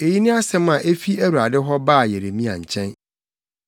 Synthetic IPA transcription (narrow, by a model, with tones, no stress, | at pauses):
e˨ji˦nɪ̃˦a˦sɛ̃˦mã˨ʔe˦fi˦æ˦wu˨ɾa˨dɪ˦ɦɔ˦baː˦˨jɛ˨ɾe˨mĩ˦a̰˨ɲ̩˨t͡ɕʰɛ̃˦n